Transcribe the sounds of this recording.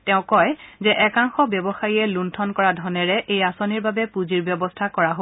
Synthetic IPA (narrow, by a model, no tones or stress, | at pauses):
tɛ̃ʊ̃kɔjzɛʔɛkaŋxɔbjɔbɔxajiɛluntʰɔnkɔɹadʱɔnɛɹɛʔejasoniɹbabɛpuziɹbjɔbɔstʰakɔɹaɦo